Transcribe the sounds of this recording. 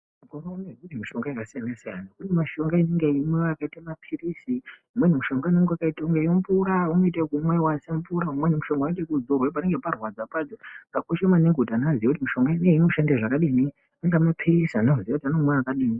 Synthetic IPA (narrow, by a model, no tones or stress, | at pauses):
ukoɾonekurimiʃo̞ŋɡaikasijanasija̰nakune̞maʃo̞ŋɡaineŋɡeimweakaitamapʰirisiumwenimuʃo̞ŋɡaineŋɡewakaitauŋɡejompuɾaunoitekumwewasempuɾaumwenimuʃo̞ŋɡanitekuzorwep̬aneŋɡeparwad͡zapad͡zokakoʃemaneŋɡutanaaziakut̬imiʃo̞ŋɡaineinoʃandeʐakaɗini | aŋɡamapʰirisanaziakutianomweakaɗiːni